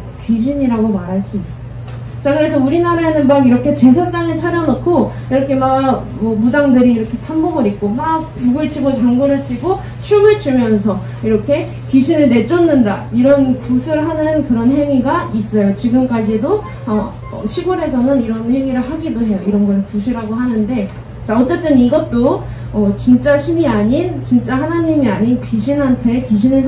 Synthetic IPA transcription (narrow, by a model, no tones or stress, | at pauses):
kid͡ʑiɲiɾaɡomaɾɦaɭs͈uis͈ʌ | t͡ɕakɯɾe̞s̬ʰʌuɾinaɾaenɯnmaɡiɾʌkʰe̞t͡ɕe̞sʰas͈aŋɯɭt͡ɕʰad͡ʑʌnʌkʰoiɾʌkʰe̞maɡ | mʌmudaŋdɯɾiːɾʌkʰe̞pʰanbʌɡɯɾip̚k͈omak̚puɡɯɭt͡ɕʰiɡot͡ɕaŋɡonɯɭt͡ɕʰiɡo | t͡ɕʰimɯɭt͡ɕumjʌnsʰʌ | iɾʌkʰe̞ | kiɕʰinɯɭne̞t͡ɕ͈onːɯndaiɾʌnkusʰuɾɭɦanɯnkɯɾʌnɦe̞ŋiɡais͈ʌjot͡ɕiɡɯmk͈ad͡ʑido | ʌ | ʌ̰ɕʰiɡuɾe̞sʰʌnɯniɾʌnhe̞ŋiɾɯɭɦaɡidoɦe̞joiɾʌnɡʌɾɯɭkusʰuɾɦaɡoɦanɯnde̞ | t͡ɕaʌt͡ɕ͈e̞t͈ɯniɡʌt̚t͈o | ʌt͡ɕint͡ɕ͈aɕʰiniaɲint͡ɕint͡ɕ͈aɦanaɲimiaɲinkiɕʰinɦantʰe̞kiɕʰinɦe